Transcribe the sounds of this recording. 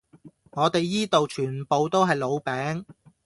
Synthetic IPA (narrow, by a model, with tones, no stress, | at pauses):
ŋɔː˨˧t̪e˨jːiː˥t̪o˨wt͡ʃʰyː˨˩npo˨wt̪o˥wɦɐ˨jlo˨˧wpɛː˨˥ŋ